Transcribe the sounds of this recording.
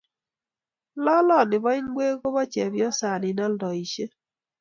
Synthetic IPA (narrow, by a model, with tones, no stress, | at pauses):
lɔ˦lɔ˦˨nɪ˨βɔ˦ɪ˦ɲ˦ɡwe˦ɣo˦βɔ˦t͡ʃɛ˨bjɔ˦sa˨nɪ˨nɔ˦ldɔ˨i˨ʃe˦